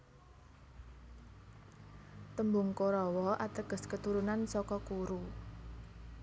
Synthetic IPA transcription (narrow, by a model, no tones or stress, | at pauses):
t̪əmbʊŋkoɾɔwɔʔat̪əɡ̥ə̤skət̪uɾunansɔkɔkuɾu